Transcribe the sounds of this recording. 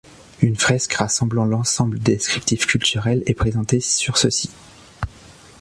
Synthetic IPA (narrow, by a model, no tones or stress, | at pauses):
ynfχɛskʁasɑ̃blɑ̃lɑ̃sɑ̃bləd̪eskχip̚t̪ifkʲylt̪yʁɛlɛpχezɑ̃t̪esyʁsəsi̥